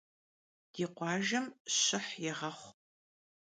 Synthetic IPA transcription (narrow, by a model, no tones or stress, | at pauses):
d̥iːqʷɑːʒɐmɕɪħjɪʁɐχʷ